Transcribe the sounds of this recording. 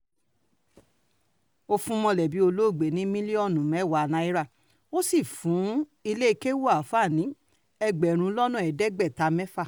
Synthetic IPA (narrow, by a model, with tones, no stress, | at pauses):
o˦fũ˦mɔ̃˧lɛ˨bi˨˦o˧lo˦˨ɡ͡be˨nĩ˨˦mĩ˦li˦ɔ˦˨nũ˨mɛ˨˦˨wa˧˨nã˨˧˦i˦ɾa˦˨ | o˦si˦˨fũ˨˦i˧le˦i˧ke˦wo˦a˨fa˦˨nĩ˨˦ | ɛ˧ɡ͡bɛ˨ɾ̃ũ˧˦lɔ˦nũ˦˨ɛ˨dɛ˦ɡ͡bɛ˦˨ta˧mɛ̃˦fa˦˨